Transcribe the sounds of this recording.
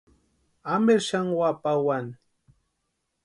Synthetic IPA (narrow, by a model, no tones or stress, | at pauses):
ameɾʃaŋwapawan